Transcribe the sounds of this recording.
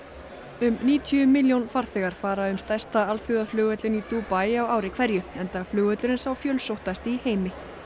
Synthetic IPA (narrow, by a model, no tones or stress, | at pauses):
ʏmniːt̪ʰiʏmɪljownfaɾ̥θɛɣaɾ̥faːɾaʏmst̪ajst̪aalθjuðaflʏːɣœt̪lɪnit̪uːpajawaːwɾɪkʰv̥ɛɾjʏɛnt̪aːɣflʏːɣœt̪lʏɾɪnsawfjœːlsowht̪ast̪ɪiheːjmɪ